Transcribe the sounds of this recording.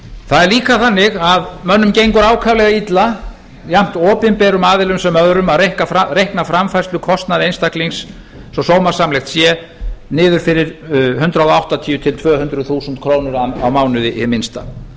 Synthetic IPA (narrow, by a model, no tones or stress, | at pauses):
θaðɛɾliːkaθanːɪɣaðmœnːʏmcejŋkʏɾaːwkʰavlɛɣait̪la | jam̥t̪ɔːpɪnpɛːɾʏmaːðɪlʏmsɛmœðɾʏmaðɾehkafɾaɾejhknafɾamfajsʏkʰɔst̪naðejnst̪akliŋsː | ɔsoːwmaɾ̥samlɛxt̪sjɛ | nɪːðʏɾ̥fɪɾɪɾ̥ɦʏnt̪ɾaðɔawht̪at̪ʰiːjʏt̪ʰɪlt̪ʰvœːhʏnt̪ɾʏðθuːsʏnt̪kʰɾoːwnʏɾana̰wmaːwnʏðɪʔmːɪnst̪a̰